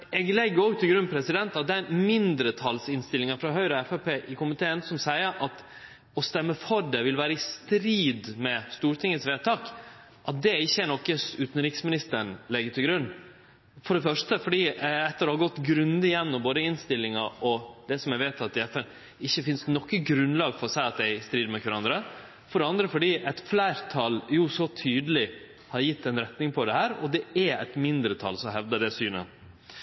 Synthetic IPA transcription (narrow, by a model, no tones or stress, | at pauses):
ɛɡlɛɡːəɔɡt̪ʰɪlɡɾʉnːpʰɾɛsɪd̪ɛnt̪ɑt̪̚d̪ɛæɾmɪnd̪ɾət̪ʰɑlsɪnst̪ɪlɪŋɑfɾɑɦœʏɾəɛfɛpʰeːʔɪkʰʊmɪt̪ʰeːənsɔmsæɪəɾʔɑt̪ | ɔst̪ɛmːəfɔɾɖɛʋɪlʋæːɾəɪst̪ɾiːd̪mɛst̪uːɾʈ̪ʰɪŋət̪sʋeːt̪ʰɑːk | ʔɑt̪̚d̪ɛɪçːəænɔkːəsʉːt̪n̩ɾiːksmɪnɪst̪əɳlɛɡːət̪ʰɪlɡɾʉnː | fɔɖɛfœʂʈəfɔɖiːɛt̪ːəɾɔhɑɾɡɔt̪ːɡɾʉnd̪əɪjɛnːɔmboːd̪əɪnst̪ɪlːɪŋɑɔd̪ɛsɔmjɛʋeɪt̪ʰɑt̪̚ːɪɛfɛn | ɪçːəfɪnst̪nɔkːəɡɾʉnlɑːɡfɔɾɔsæɪɑt̪̚d̪ɛɪst̪ɾiːd̪mɛkʰʋɾɑnd̪ɾə | fɔɖɛɑnd̪ɾəfɔɖiːɛt̪flæɪɾt̪ʰɑljʊsɔt̪ʰyːd̪əlɪ | hɑɾjɪt̪ːɛnɾɛt̪nɪŋpʰɔd̪ɛhæːɾɔ̰d̪ɛɛɛ̰t̪mɪnd̪ɾət̪ʰɑ̰lsɔɦɛʋd̪əɖ̪ɛsyːnə̰